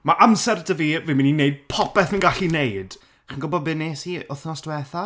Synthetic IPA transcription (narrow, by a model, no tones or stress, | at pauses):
maʔamsɛrdəviːviːmɪnineɨd̚pʰɔpɛθmənɡaɬinejd̥ | χinɡʊbɔd̚bɨneːsiʊθnɔsd̥wɛθa